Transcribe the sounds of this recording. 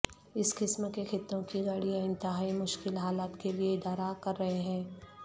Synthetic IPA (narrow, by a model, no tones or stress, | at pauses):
ɪskɪsmkexɪt̪ːõkiɡaɽiãɪ̃nt̪ɪɦaːimʊʃkɪlɦaːlaːt̪kelieɪd̪aːɾakɐɾːɐɦeɦɛ̃ː